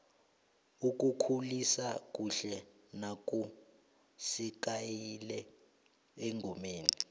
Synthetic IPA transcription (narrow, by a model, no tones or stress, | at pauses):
uk̬ʼukʰulisak̬ʼuɬɛ | nak̬ʼu | sik̬ʼajilɛ | eŋʱomeːni